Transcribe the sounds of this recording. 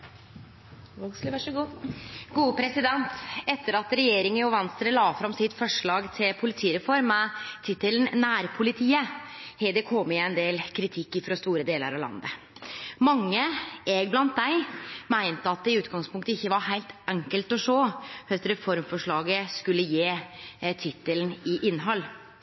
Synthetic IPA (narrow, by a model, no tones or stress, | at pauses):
s | ɡuːəpʰɾɛsɪd̪ɛnt̪ɛt̪ːəɾɑt̪ɾɛjeːɾɪŋənjʊʋɑnst̪ɾəlɑːfɾɑmsɪt̪fɔʂɭɑːɡt̪ʰɪlpʰʊlɪt̪ʰiːɾɛfɔɾmɛt̪ʰɪt̪ːələnnæːɾpʰʊlɪt̪ʰiːəheːd̪ɛkʰoːmːɪæɪnd̪eːlkʰɾɪt̪ʰɪkːɪfɾɔst̪uːɾəd̪eːlə̰ɾɑʋlɑ̰nd̪ə̰ | mɑŋːəɛɡblɑnt̪̚d̪æɪmæɪnt̪əɑt̪̚d̪ɛɪʉːt̪ɡɑŋspʰʊŋk̚t̪əɪçːəʋɑɾɦæɪlt̪ʔɛŋkəlt̪ɔʂoːhœt̪ɾɛfɔɾmfɔʂɭɑːɡəskʉlːəjeːt̪ʰɪt̪ːəlnɪʔɪnːɦɔlː